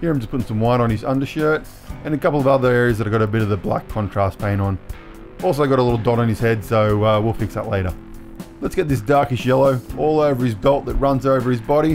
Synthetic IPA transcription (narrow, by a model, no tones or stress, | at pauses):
hiɹɪ̃md͡ʒʌspʰʊɾɪ̃ŋsʌ̃mwãɪ̃ñə̃nɨzʌ̃ndə˞ʃɜ˞ɾ | ɨ̃nɨkʌpl̩ˠʌvʌðə˞ɛɹiɨzðɨɾɨɡɑɾɨbɪɾʌvðɨblæ̰kʰɑ̃ntʰɹ̥æspʰẽɪ̃nə̃n | ʔɔlˠs̬oʊɡɑɾəlɪɾl̩ˠdɑɾ̃n̩ɨz̥hɛdsoʊʌwilˠfɪksðə̰tˡleɪɾə˞ | lətsɡ̥ɛt̪̚ðɪs̬d̥ɑɹkɨsʃjɛlˠoʊʔɔlˠoʊvə˞ɨzbɛlˠt̪̚ðɨt̚ɹʌ̃nzoʊvə˞ɨzbɑɾi